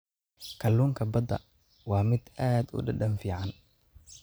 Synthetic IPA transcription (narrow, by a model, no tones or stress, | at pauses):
kʰɐluːŋkʰɐbɐd̪ɐ̰ | wɑːmɪd̪aːd̪ʊ̰ɖɐɖɐnfiːʕɑn